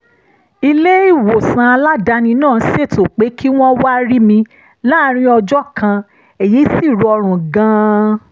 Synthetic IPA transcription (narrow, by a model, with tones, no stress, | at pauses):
i˧le˦i˦˨wo˨sã˨˧a˧la˦da˨˧nĩ˧nãː˦˨˦se˦˨to˨k͡pe˨˦kʰi˦w̃ɔ̃˦wa˦ɾi˦mĩ˧ | la˦ɾ̃ĩ˦ɔ˧d͡ʒɔ˦kʰã˧ | e˨ji˨˦si˦˨ɾɔ˧ɔ˧ɾ̃ũ˨ɡã˧˦